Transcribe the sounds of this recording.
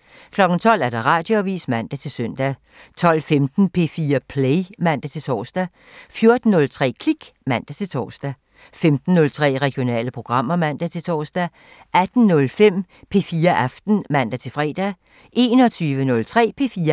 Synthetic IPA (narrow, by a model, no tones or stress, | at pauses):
kʰlɒ̽ɡ̥n̩t͡sʰɒ̽l̰æɐɾ̥ɑ̈ʁɑ̈ːd̥jo̝æʋḭːsmæn̰d̥æt͡sʰe̝lsœn̰d̥æ | t͡sʰɒ̽l̰femd̥n̩pʰe̝fiːɐpʰleɪmæn̰d̥æt͡sʰe̝lt͡sʰɒ̰ːsd̥æ | fjo̝ɐd̥n̩ːɔ̽lt͡sʰʁɛ̰ːkʰliɡ̥mæn̰d̥æt͡sʰe̝lt͡sʰɒ̰ːsd̥æ | femd̥n̩ːɔ̽lt͡sʰʁɛ̰ːʁɛɡ̥jo̝nɛ̰ːləpʰʁo̝ɡ̥ʁɑ̈m̰ɐmæn̰d̥æt͡sʰe̝t͡sʰɒːsd̥æ | ʔæd̥n̩nɔ̽lfem̰ | pʰe̝fiːɐʔæfd̥n̩mæn̰d̥æt͡sʰe̝lfʁɛ̰ːd̥æ | ʔe̝ːnɒt͡sʰyːʋənɔ̽lt͡sʰʁɛ̰ːpʰe̝fiːɐ